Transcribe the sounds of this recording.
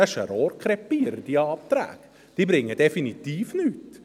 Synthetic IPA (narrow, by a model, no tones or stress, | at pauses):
æʃɛ̰ɾɔːɾkʰɾɛpːiəɾəd̥iɑːp̚t̪ɾæ̰ːɡ̥ | d̪̥iːbɾɪŋːəd̥ɛfinit̪iːfnyːt